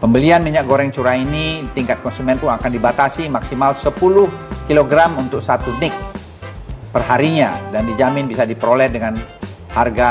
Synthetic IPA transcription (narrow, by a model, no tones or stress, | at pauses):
pəmbəlianmiɲak̚ɡoɾɛŋt͡ʃuɾainit̪iŋkat̪̚kɔnsumɛnpuŋakandibat̪asimaksimalsəpulʊhkiloɡɾamunt̪ʊk̚sat̪unɪk̚ | pərɦaɾiɲadandid͡ʒamɪnbisadipəɾolɛhdəŋan | harɡa